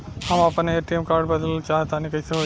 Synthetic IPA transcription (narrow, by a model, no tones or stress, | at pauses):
həməpəneʈimkaɾɖbəd̪əlt͡ʃaɦt̪anikɐɪseɦo